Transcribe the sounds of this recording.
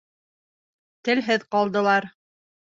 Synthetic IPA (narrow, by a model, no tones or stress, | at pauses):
t̪ɘ̆lɦɘðqɑlˠd̪ɤ̆lˠɑɾ